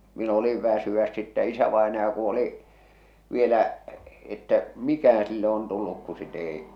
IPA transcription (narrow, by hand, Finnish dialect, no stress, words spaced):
min oliʋ ʋæsyæs sitːæ isæʋɑenɑjɑ ku oliʔ ʋielæʔ etːæ mikæhæ̃ː silːe on tulːuk ku sit ei